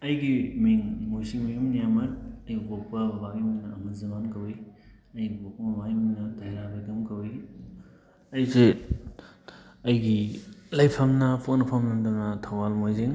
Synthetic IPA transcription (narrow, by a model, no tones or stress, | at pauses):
ɐjɡimiŋmojsiŋmijumnijamɐt̚ɐjɡibokʰbɐbɐbaɡiminɐːmɐzɐmankɐwi | ɐjɡibok̚pɐmɐbaɡiminɐdajɾabɾiɡɐmkɐwi | ɐjze | ɐjɡilɐjpʰɐmnɐpʰok̚nɐpʰɐmnɐdonɐtʰɐwalmojziŋ